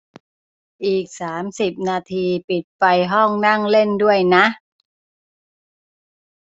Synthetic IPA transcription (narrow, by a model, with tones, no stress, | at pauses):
ʔiː˨˩k̚saː˩˦msi˨˩p̚naː˧t̪ʰiː˧pi˨˩t̪̚fa˧jɦɔ˥˩ŋna˥˩ŋle˥˩ndu˥˩əjna˦˥ʔ